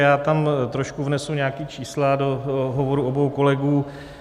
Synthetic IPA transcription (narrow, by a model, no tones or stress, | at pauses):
jaːt̪amt̪ɾoʃkuvnɛsuɲɛakiːt͡ʃiːsladoɦovoɾuʔobowko̞lɛɡuː